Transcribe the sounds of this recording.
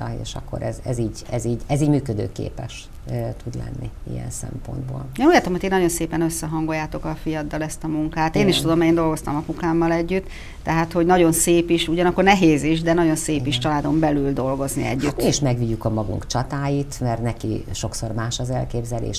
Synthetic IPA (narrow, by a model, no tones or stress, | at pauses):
ḛːʃɒ̰kːo̰ɾɛzɛziːɟɛziːɟɛziːɟmyːkød̪ø̰ːkḛːpɛʃ | t̪ud̪lɛ̰nːi | ḭjɛ̰nsɛ̰mpo̞̰nd̪bo̰ːleːnuːɟlaːt̪omhot̪eːnːɒɟo̞nseːpɛnøsːɛɦɒŋɡo̞jːaːt̪o̞kɒfijɒd̪ːɒlɛst̪ɒmuŋkaːt̪eːniʃt̪ud̪o̞mɛeːnd̪o̞lɡo̞st̪ɒmɒpukaːmːɒlɛɟːyt̪ː | ɛɦaːt̪ho̞ɟnɒɟo̞nseːpiʃuɟɒnɒkːo̞rnɛɦeːziʃd̪ɛnɒɟo̞nseːpiʃt͡ʃɒlaːd̪o̞mbɛlyld̪o̞lɡo̞znḭɛ̰ɟːyt̪ːiʃmɛɡʋiɟːukɒmɒɡṵŋkt͡ʃɒt̪aːjit̪mɛrnɛkiʃo̞ksormaːʃɒzɛlkeːbzɛlḛːʃ